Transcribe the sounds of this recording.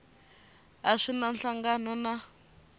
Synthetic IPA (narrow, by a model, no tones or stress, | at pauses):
aʂinanɬaŋɡanɔna